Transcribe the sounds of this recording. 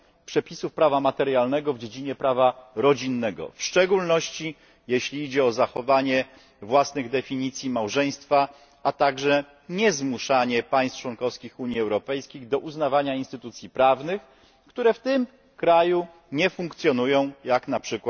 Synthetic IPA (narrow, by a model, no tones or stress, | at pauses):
pʂɛpʲisufpɾavamat̪ɛɾjalnɛɡɔvd͡ʑed͡ʑiɲɛpɾavaɾɔd͡ʑinːɛɡɔ̰fʂt͡ʂɛɡulnɔɕt͡ɕi | jeɕlʲiid͡ʑɛɔzaxɔvaɲɛ | vwasnɘɣd̪ɛfʲiɲit̪sʲjimawʐɛj̃st̪fa | at̪aɡʐɛ | ɲɛzmuʂaɲɛpaj̃st̪t͡ʂwɔnkɔfskʲixuɲjiɛwɾɔpɛjskʲiɣd̪ɔʔuznavaɲainst̪ɘt̪ut̪sʲjipɾavnɘx | kt̪uɾɛft̪ɘm | kɾaju | ɲɛfuŋkt̪sʲjɔnujɔ̃w̃jaknapʂɘkw